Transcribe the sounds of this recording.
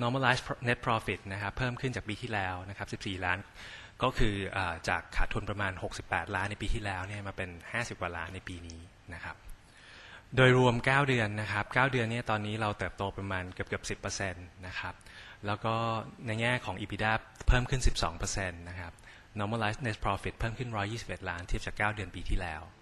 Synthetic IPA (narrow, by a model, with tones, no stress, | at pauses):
nɔː˦˥ma˥˩laː˦˥sne˦˥t̪̚pʰɾɔː˧fi˨˩t̪̚na˦˥kʰa˦˥pʰːɤː˥˩mkʰɯ˥˩nt͡ɕaː˨˩kpiː˧t̪ʰiː˥˩lɛː˦˥wna˦˥kʰa˦˥p̚si˨˩p̚siː˨˩laː˦˥n | kɔː˥˩kʰɯː˧ʔaː˨˩t͡ɕa̰ː˨˩kʰːaː˩t̪ʰu˧ənpɾa˧maː˧nho˨˩k̚si˨˩pːɛ̰ː˨˩t̪̚laː˦˥nːa˧jpiː˧t̪ʰiː˥˩lɛː˦˥wni˥˩ɐmaː˧pe˧nhaː˥˩si˨˩p̚kaː˨˩la̰ː˦˥nːa˧jpiː˧niː˦˥ | na˦˥kʰa˦˥p̚ | doː˧jɾu˧əmkaː˥˩wdɯ˧ənːa˦˥kʰa˦˥p̚kaː˥˩wdɯ˧ənːi˥ɐt̪ɔː˧nːiː˦˥ɾa˧wt̪ɤː˨˩p̚t̪oː˧pɾa˧maː˧nkɯ˨˩p̚kɯ˨˩əp̚si˨˩pːɤː˧se˧nːa˦˥kʰa˦˥p̚lɛː˦˥wkɔː˥˩na˧jŋɛː˥˩kʰɔː˩˦ŋʔiː˧pʰiː˧daː˥˩pʰɤː˥˩mkʰɯ˥˩nsi˨˩p̚sɔ̰ː˩˦ŋpɤː˧se˧nːa˦˥kʰa˦˥p̚ | nɔː˦˥maː˧laː˦˥sne˦˥s̚pʰɾɔː˧fi˨˩t̪̚pʰɤː˥˩mkʰɯ˥˩nɾɔː˦˥jːiː˥˩si˨˩p̚ʔe˨˩t̪̚laː˦˥nt̪ʰi˥˩p̚t͡ɕaː˨˩kːaː˥˩wdɯ˧ənpiː˧t̪ʰiː˥˩lɛː˦˥w